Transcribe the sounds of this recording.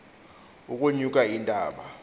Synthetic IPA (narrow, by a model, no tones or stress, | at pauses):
ukʼuɲukʼaintʼaːɓa